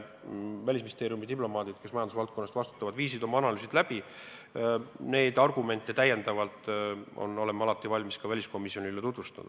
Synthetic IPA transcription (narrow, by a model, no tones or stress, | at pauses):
vælʲisminist̪e̞ːɾiumid̪iplo̞mɑːd̪id̪̥ke̞smɑjɑd̪usvɑlt̪̚ko̞nːɑst̪vɑst̪u̥t̪ːˑɑvɑd̪viːsid̪o̞mɑɑnɑlyːsid̪læb̥i | ne̞ːd̪ɑrɡume̞nʲt̪ːˑet̪æjːe̞nd̪ɑvɑlt̪ˑo̰nːo̞lemːeɑlɑt̪ːˑivɑlʲmiskɑvælʲisko̞mːisio̞nʲilet̪ut̪vust̪ɑ̰d̪̥ɑ